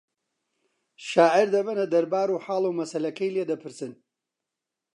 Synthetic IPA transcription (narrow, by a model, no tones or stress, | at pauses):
ʃaːʕɪɾd̪ɐbɐnɐd̪ɐɾbaːɾuːħaːlˠumɐsɐlɐkɐjled̪ɐpʰɨɾsɨn